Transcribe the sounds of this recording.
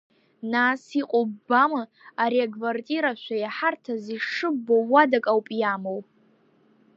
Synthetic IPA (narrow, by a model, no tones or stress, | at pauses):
nasiqʼobamɨ | aɾiakʰvartʼiɾaʃʷajaħartʰaziʂɨbːowːadakʼawpʼjamow